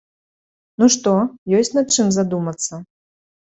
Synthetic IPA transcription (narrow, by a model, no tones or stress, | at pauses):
nuʂt̪ɔjɔsʲtʲnat̪̚t͡ʂɨmzad̪umɐt̪sːɐ